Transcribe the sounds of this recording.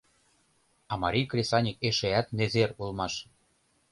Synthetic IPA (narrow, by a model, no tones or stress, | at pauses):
ɑmɑɾʲijkrʲesɑnʲikeʃeæt̪nezerulmɑʃ